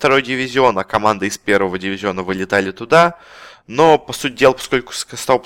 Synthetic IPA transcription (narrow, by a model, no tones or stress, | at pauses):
ft̪ɐɾo̞jdʲɪvʲɪzʲɪo̞nɐkɐmand̪əɪspʲe̞ɾvəvədʲɪvʲɪzʲo̞nəvɨlʲɪt̪alʲɪt̪ʊd̪a | no̞pɐsut̚ʲdʲe̞lˠəpɐ̥sko̞lʲkʊ̥skst̪ap